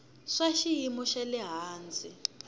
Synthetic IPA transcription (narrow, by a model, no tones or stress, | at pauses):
ʂaʃijimuʃalɛɦaːnd͡zʱi